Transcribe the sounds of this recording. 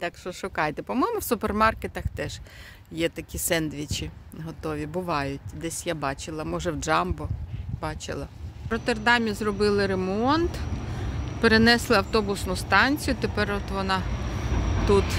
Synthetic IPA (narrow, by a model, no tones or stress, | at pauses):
t̪ɑkʃɔʃʊkɑjt̪ɛpɔmɔjmʊwsʊpermɑrket̪ɐxt̪ɛʒ̥ | jɛt̪ɐkʲisɛnd̪ʋʲit͡ʃiɦɔt̪ɔʋʲibʊʋɑjʊtʲd̪ɛsʲjabɑt͡ʃɪlˠɐmɔʒɛwd͡ʒɑmbɔbɑt͡ʃɪ̰lˠɐɾɔt̪erd̪ɑmʲizrɔbɪlˠɪɾemɔnt̪ | peɾenɛslˠɪɐwt̪ɔbʊsnʊst̪ɑnʲt͡sʲijʊt̪epɛrɔt̪ʋɔnɑ | t̪ut̪